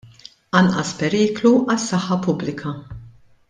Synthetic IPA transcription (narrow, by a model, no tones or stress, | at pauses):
ɐnʔɐspɛɾiːkluʔɐsːɐħːɐpʊblɪkʰɐ